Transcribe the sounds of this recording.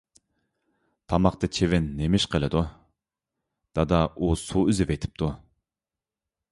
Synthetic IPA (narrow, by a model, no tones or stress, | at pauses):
t̪ʰɑmɑq̚t̪ɑt͡ʃʰevɛnːemɪʃqʰəlˠɪd̪u | d̪̥ɑd̪ɑʔusuyzɪvejt̪ʰɪ̥p̚t̪ʰu